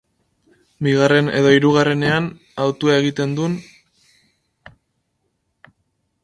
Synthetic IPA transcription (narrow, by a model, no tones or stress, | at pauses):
biɣare̞ne̞̰ðo̞iɾuɣ̞are̞ne̞an | awt̪uae̞ɣ̞it̪e̞nd̪un